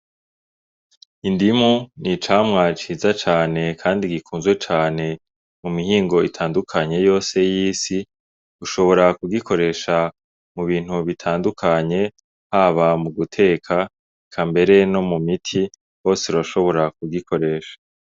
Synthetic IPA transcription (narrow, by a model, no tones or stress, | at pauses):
indimunit͡ʃaːmŋat͡ʃizat͡ʃaːne̞kʰaːndiɡikʰuːnzwet͡ʃaːne̞ | mumihiːŋɡo̞itʰaːndukʰaɲe̞jo̞ːse̞jiːsi | uʃo̞βo̞ɾakuɡikʰo̞ɾe̞ʃa | muβiːn̥huβitʰaːndukʰaɲe̞ | haβamuɡutʰe̞ːkʰa | kʰambe̞ɾe̞no̞mumitʰi | ho̞ːseɾaʃo̞βo̞ɾak̚uɡikʰo̞ɾe̞ːʃḁ